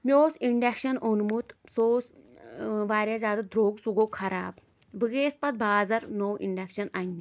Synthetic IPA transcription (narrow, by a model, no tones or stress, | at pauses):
mʲoːsiɳɖekʃɐnonmut̪soːs | ʋaːɾʲjazʲaːd̪ad̪ɾoːɡsuɡoːkʰɐɾa̰ːb̚ | bɨɡeːspɐt̪̚bʱaːzɐɾnowʔḭɳɖekʃɐnɐnʲːi